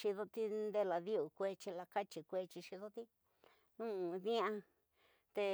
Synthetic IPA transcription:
ʃi˧ðo˧t̪i˦nd̪e˧la˨ði˦u˨kʷe˧t͡ʃi˧la˧ka˦t͡ʃi˨kʷe˧t͡ʃi˧ʃi˧ðo˦t̪i˦ | nũ˦ũ˧ðĩ˦ã˧ | t̪e˧

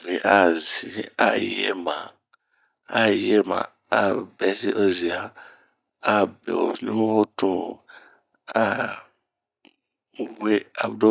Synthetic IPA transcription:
ve˨ʔa˦zi˨˦a˦˨jɛ̰˨mã˨ | a˦˨jɛ˦mã̰˨ | a˦bɛ˨˦si˦ʔo˦zi˨a˨ | a˦bɛ̰˨o̰˨ɲũ˦o˦tũ˨ | a˦˨ | we˦a̰˨u˨˦do˦

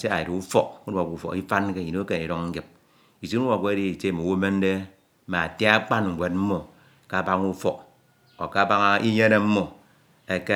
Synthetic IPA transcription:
se˦a̰˨ji˨ɾu˦fɔ˦k̚u˦da˨ku˨fɔ̰˨ki˦fa˦nke˦˨i˨o˦ke˨ni˨ɾo˦ŋŋ̩˦ɡi˨p̚ | i˨si˦u˦wa˨ke˦di˦i˨t͡ʃe˦˨mo˨wo˦me˦n˦de˦ | ma˨a˨te˦a˦k͡pa˦n̩˨ɡʷe˨t̚m̩˦mo˨ | ka˦˨ba˦ŋu˦fɔ˨k̚ | o̰˨ka˦˨ba˦ŋa˦i˦ɲe˦ne˦m̩˦mo˨ | e˨ke˦

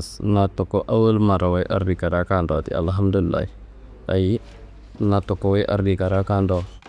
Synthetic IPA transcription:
sna˨to˨ko˦ʔa˦wə˦lma˨ɾa˨wa˦i˦ʔa˨ɾdi˨ka˨ɾa˦ka˦ndo˨tḭ˨a̰˨lɦa˦mdu˦li˨lːa̰˨˦i˦ | a̰˨ji˦ | na˨to˨ko˨wa˦ʔa̰˨ɾdi˨ka˨ɾa˦ka˦ndo˦

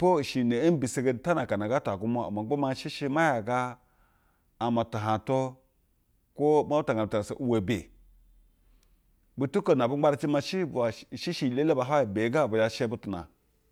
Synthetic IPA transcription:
po˦˨ʃi˨ne˨˦n˦bi˨se˨ɡe˨˦n˦ta˦na˨ka˨na˨ɡa˦ta˨ɡu˦mo˦a̰˨ma˨˦o˦ma˦ʃi˦ʃi˦ma˦ja˨ɡa˦˨ | ma˨ta˨ɦa˨to˦ | ko˦ma˦u˦ta˨ɡa˨m˨ta˨a˨so̰˨ʔu˦we˨bḛ˨ | bu˦tu˦ko˨na˨bu˦a˦ɾa˦t͡ʃi˦ma˦˧ʃi˦ba˨ʃi˦ʃi˨le˦le˦ba˨ɦa˦i˨be˨˦ɡa˦˨bu˨ja˦ʃe˦bu˦tu˨na̰˨

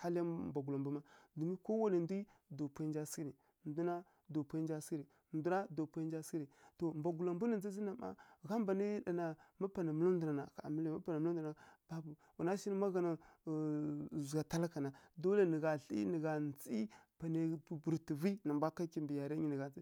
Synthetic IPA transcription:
ha˦lja˦mba˨ɡu˨la˨mbu˦ma˦du˨mi˦ko˦wa˦le˨ndi˦ | do˨pa˦nd͡ʒa˦si˦ɾi˨ | ndu˦na˦ | do˨pa˦nd͡ʒa˦si˦ɾi˨ndu˦na˦do˨pa˦d͡ʒa˦si˦ɾi˨to˨mba˨ɡu˨la˨mbu˦ni˨nd͡zi˦zi˦na˨ma̰˦ɣa˦mba˨ni˦da˨na˨ma˦pa˨na˨mə˨˦lu˦du˨na˨na˨ka̰˨mi˦lma˦pa˨na˨m˦ldb̥a˨bu˨ | wu˨na˦ʃi˦ni˦ma˦ɣa˨na˨ | zu˨a˨ta˦la˦ka˨na˨do˦le˦ni˨ɡa˨ɬḭ˦ni˨ɡa˨nt͡si˦pa˨ne˨bu˨ɾti˨vi˦na˨mbʷa˦ka˦ki˦mbi˨ja˨ɾa˦ɲi˨nə˨ɡa˨i˦

